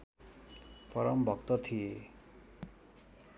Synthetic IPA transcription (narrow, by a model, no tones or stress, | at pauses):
pʌɾʌmbʱʌkt̪ʌt̪ʰije